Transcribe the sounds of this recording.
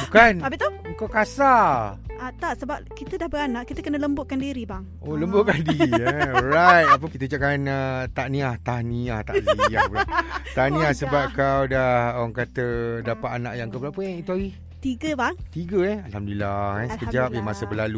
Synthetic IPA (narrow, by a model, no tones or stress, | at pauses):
bukanabɪʔt̪ouŋkawkasaat̪aʔsəbap̚kit̪ədahbəɾanaʔkit̪əkənələmbʊtʔ̚kandiɾibaŋ | oləmbʊʔ̚kadiɔɾajt̪̚ap̬əkit̪əd͡ʒaʔkanət̪aʔnĩaht̪ahniaht̪aʔsija | t̪anĩahsəbap̚kawdahawaŋkat̪ədapat̪ana̰ʔjaŋkəpəlapəɛit̪uaɣih | t̪iɡəbaŋt̪iɡəɛhalamdilahɛsəkəd͡ʒap̚jamasəbəlalu